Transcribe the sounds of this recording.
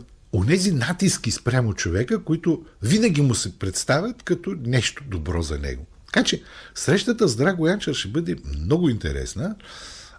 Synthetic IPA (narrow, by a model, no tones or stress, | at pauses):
onɛzinat̪iskʲispɾʲjamot͡ʃovɛkəkoit̪ʊvinəɡ̟ʲimʊsɛpɾɛt̪st̪avʲɐt̪kɐt̪ɔnɛʃt̪ʊ̥d̪obɾɔ̰zɐnɛ̰ɡot̪ɐ̥kat͡ʃɛsɾɛʃt̪ət̪əzd̪ɾaɡojant͡ʃəɾʃɛbɤd̪ɛmnɔɡʊint̪ɛ̰ɾɛ̰snə